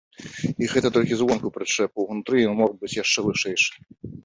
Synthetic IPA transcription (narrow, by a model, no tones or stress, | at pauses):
iɣɛt̪ɐt̪ɔlʲkʲizvɔnkʊwpɾɨt͡ʂɛp̚ʊwnut̪ɾɨjɔnmɔɣbɨt͡sʲjaʂt͡ʂɛvɨʂɛjʂɨ̥